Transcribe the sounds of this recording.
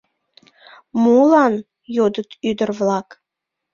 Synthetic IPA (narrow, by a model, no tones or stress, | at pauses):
mulɑn | jod̪ət̪yd̪ərvlɑk